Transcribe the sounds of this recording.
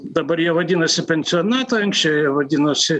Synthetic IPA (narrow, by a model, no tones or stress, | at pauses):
d̪ɐbɐɾjiɛʋɐd̪ʲinɐsʲɪpʲɛnʲsʲɪɔnɑːt̪ɐɐŋksʲt͡ʃʲɛʊjiɛʋɐd̪ʲinosʲɪ